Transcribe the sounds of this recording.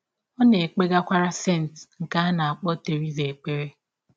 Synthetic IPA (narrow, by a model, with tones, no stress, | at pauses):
ɔ˦ne˨k͡pe˦ɡa˦kʷa˦ɾa˦se˦˨n̩˨tŋ̩˨ka˦a˦na˨a˨k͡pɔ˦te˨ɾi˦ze˨k͡pe˦ɾe˦